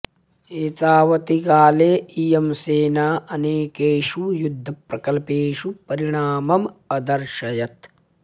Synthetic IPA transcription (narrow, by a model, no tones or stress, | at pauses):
eːt̪aːʋɐt̪ikaːleːijɐmseːnaːʔɐneːkeːʃujud̪ʱːɐpɾɐkɐlpeːʃupɐɾiɽ̃aːmɐmɐd̪ɐɾʃɐjɐt̪